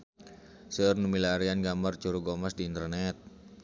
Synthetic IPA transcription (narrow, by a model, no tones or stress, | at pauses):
sərnumilaɾianɡamart͡ʃuɾuɡɔmasdiːnt̪ərnɛt̪̚